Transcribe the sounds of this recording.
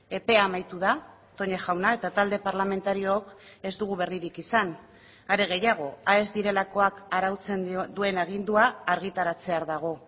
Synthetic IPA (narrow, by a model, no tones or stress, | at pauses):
e̞pe̞amajt̪uð̞a | t̪oɲexawnae̞t̪at̪ald̪e̞paɾlame̞nt̪aɾio̞ːke̞zd̪uɣuβe̞riɾikisan | aɾe̞ɣ̞e̞jaɣ̞o̞ae̞zd̪iɾe̞lako̞akaɾawt͡se̞nd̪ue̞naɣ̞ind̪uaːɾɣ̞it̪aɾat͡se̞aɾðaɣ̞o̞